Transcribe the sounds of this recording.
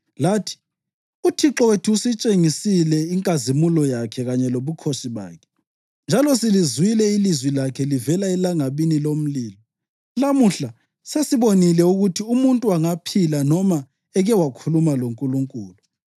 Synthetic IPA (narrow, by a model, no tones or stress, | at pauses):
laːtʰi̥ | utʰiǁɔwetʰiusit͡ʃʼeŋisilɛiŋkʼazimulɔjakʰɛɣaɲɛloβukʰoʃiβa̰ːkʰɛ̥ | nd͡ʒʱalɔsilizuwilɛilizwilakʰɛlivɛlaɛlaŋaβinilom̩liːlɔ | lamuɬa | sesiβonilɛuɣutʰiumuntʼuwaŋapʰilanɔma | ɛɣɛwakʰulumaloŋkʼuluŋkʼṵːlu